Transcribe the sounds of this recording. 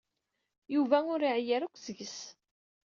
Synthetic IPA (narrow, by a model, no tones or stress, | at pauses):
juvæʊɾiʕjæɾukʷːzəʝəs